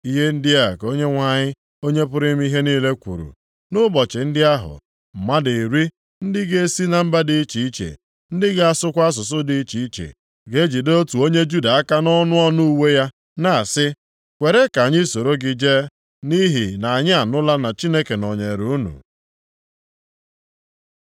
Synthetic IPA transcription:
i˦ɦe˦n̩˦dɪ˦a˦˨ko˦ɲe˦ŋʷa˨ɲɪ˦ | o˦ɲe˦pʊ˦ɾɪ˦m˦i˦ɦe˦niː˦le˦kʷṵ˨ɾṵ˨ | nʊ˦bɔ˨t͡ʃɪ˨n̩˦dɪ˦a˦ɦʊ̰˨ | ma˦di˨ɾi˦ | n̩˦dɪ˦ɡe˦si˦na˨m̩˦ba˦dɪ˨i˦t͡ʃi˨i˦t͡ʃḛ˨ | n̩˦dɪ˦ɡe˦a˦sʊ˦kʷa˦s̬ʊ˨s̬ʊ˦dɪ˦i˦t͡ʃi˨i˦t͡ʃḛ˨ | ɡe˦d͡ʒi˨do˦o˦tu˨o˦ɲe˦d͡ʒu˦da˨a˦ka˦nɔ˦nʊ˦ɔ˦nu˦u˦we˦ja˦ | na˨sɪ˦ | kʷe˨ɾe˦ka˨ɲɪ˦so˨ɾo˦ɡɪ˨d͡ʒe˦ | ni˦ɦi˨na˨a˨ɲɪ˦a˨nʊ˦la˦na˨t͡ʃi˦ne˦ke˨nɔ˨ɲe˨ɾu˦˨u˦nṵ˨

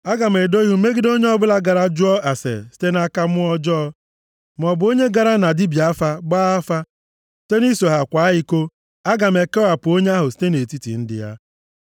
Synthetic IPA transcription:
a˦ɡa˨me˨do˦i˦u˦me˦ɡɪ˦do˦ɲe˦ɔ˦bʊ˦la˦ɡa˨ɾa˦d͡ʒʊ˦ɔ˦a˨sḛ˨si̥˦te˦na˦ka˦mʊ˦ɔ˦d͡ʒɔː˦ | m˨ɔ˨bʊ˨˦o˦ɲe˦ɡa˨ɾa˦na˨di˦bja˦fa˦ɡ͡baː˦a˦fa˦ | si̥˦te˦ni˦so˨ɦa˨kʷa˨˦ɦɪ˦ko˦ | a˦ɡa˨m˨e˨ke˦a˨pʊ˨o˦ɲe˦a˦ɦʊ˨si̥˦te˦ne˨ti˦tḭ˨n̩˦dɪ̰˨ja̰˦

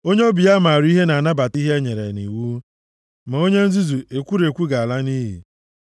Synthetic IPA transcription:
o˦ɲe˦o˦bi˨ja˦ma˨ɾi˦ɦe˦na˨a˨na˦ba˨ti˦ɦe˦e˦ɲe˨ɾe˨nḭ˨wu˦ | ma˨o˦ɲe˦n̩˦zi˦zu˨e˨kʷu˦ɾe˨kʷu˦ɡa˨a˨la˦ni˦ɦḭ˨

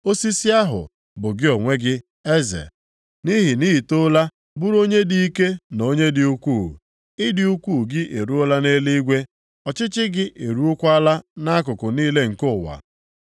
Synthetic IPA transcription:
o˦si˦sɪ˦a˦ɦʊ̰˨ | bʊ˨ɡɪ˦o˨ŋʷe˦ɡɪ˦ | e˦zḛ˨ | ni˦ɦɪ˨ni˦i˨to˦la˦ | bu˦ɾo˦ɲe˦di˦i˦ke˦no˨˦ɲe˦dɪ˨u˦kʷu˦˨ | ɪ˦dɪ˦u˦kʷu˦˨ɡɪ˦ʔe˨ɾu˦ʊ˦la˦ne˦li˦i˦ɡʷe˦ | ɔ˨t͡ʃɪ˦t͡ʃɪ˦ɡɪ˦ʔe˨ɾu˦ʊ˦kʷa˦la˦na˦k̬ʊ˨kʊ˨niː˦le˦ŋ̩˨kʊ˦˨wa̰˨

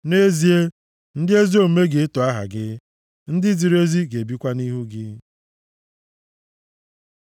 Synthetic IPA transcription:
ne˦zi˨e˦ | n̩˦dɪ˦e˦zi˦o˦m̩˦me˦ɡe˨˦to˨a˦ɦa̰˨ɡɪ˦ | n̩˦dɪ˦zi˨ɾe˦zi˦ɡe˨bi˦kʷa˦ni˦ɦu˦ɡɪ˦

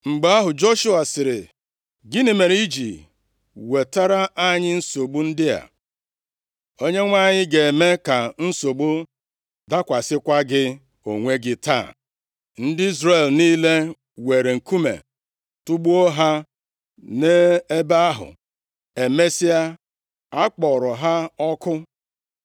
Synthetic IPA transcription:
ŋ͡m̩˨ɡ͡ba˦a˦ɦʊ˨d͡ʒo˦ʃu˦a˨sɪ˨ɾɪ˨ | ɡɪ˦nɪ˨me˨ɾi˦d͡ʒḭ˨ | we˨ta˦ɾa˦ʔa˦ɲɪ˦n̩˦so˨ɡ͡bu˦n̩˦dɪ˦ja̰˨ | o˦ɲe˦ŋʷa˦˨ɲɪ˦ɡe˨me˦ka˨n̩˦so˨ɡ͡bʊ˦ | da˦kʷa˨sɪ˦kʷa˦ɡɪ˦ | o˨ŋʷe˦ɡɪ˦ta̰˦˨ | n̩˦dɪ˦i˦zɾe˨lniː˦le˦ | we˨ɾe˨ŋ̩˨ku˦mḛ˨ | tʊ˦ɡ͡bu˦o˦ɦa˦ | ne˦e˦ba˦a˦ɦʊ̰˨ | e˨me˦si˦a˦ | a˦k͡pɔ˨ɾɔ˨ɦa˦ɔ˦kʊ˦

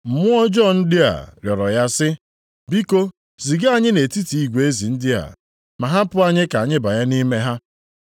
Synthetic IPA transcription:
m̩˨mʊ˦ɔ˦d͡ʒɔ˦˨n̩˦dɪ˦a̰˨ɾjɔ˨ɾɔ˨ja˦sɪ˦ | bi˦ko˦ | zi˨ɡa˦˨ɲɪ˦ne˨ti˦ti˨i˦ɡʷe˨e˦zi˨n̩˦dɪ˦a̰˨ | ma˨ɦa˦pʊ˦a˦ɲɪ˦ka˨ɲɪ˦ba˨ja˦ni˦me˦ɦa˦

